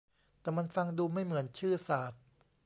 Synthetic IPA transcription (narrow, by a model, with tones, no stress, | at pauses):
t̪ɛː˨˩ma˧nfa˧ŋduː˧ma˥˩jmɯ˩˦ənt͡ɕʰɯː˥˩saː˨˩t̪̚